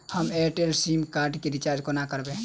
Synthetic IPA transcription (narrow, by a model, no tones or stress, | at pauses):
həmeʈelsimkaɾɖkeɾit͡ʃaɾd͡ʒkonakəɾbẽ